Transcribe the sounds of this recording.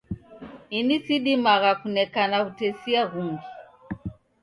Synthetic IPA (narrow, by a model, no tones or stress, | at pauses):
inisiɗimaɣakunɛkanakutɛsiaɣuŋɡi